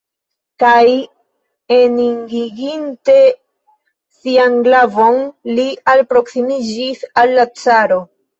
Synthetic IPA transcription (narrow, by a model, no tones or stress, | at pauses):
kaj | eniŋɡiɡinte̞ | sianɡlavo̞nlialpɾo̞ksimid͡ʒisalːat͡saɾo